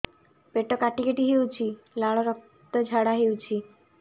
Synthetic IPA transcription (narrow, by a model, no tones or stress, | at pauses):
peʈokaʈikeʈiɦewt͡ɕʰi | laɭɔɾɔk̚ | t̪ɔd͡ʒʱaɽaɦewt͡ɕʰi